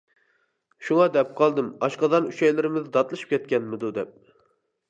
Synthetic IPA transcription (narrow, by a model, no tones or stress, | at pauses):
ʃuŋɑd̪ɛp̚qʰɑlˠd̪ɨmɑʃqɑd̪ɑnuʃɛjlɪɾɪmɪzɨd̪ɑt̪lˠɨʃɨ̥p̚kʲɛt̪̚kʲɛnmɪd̪ud̪ɛp̚